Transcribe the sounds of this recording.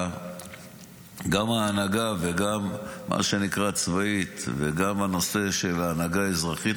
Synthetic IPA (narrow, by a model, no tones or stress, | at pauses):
ɡamaːnaɡaveɡamːʔa̰ʃe̞nikʁat͡svait̪vḛɡamano̞se̞ʃe̞laːnaɡaezʁaχit̪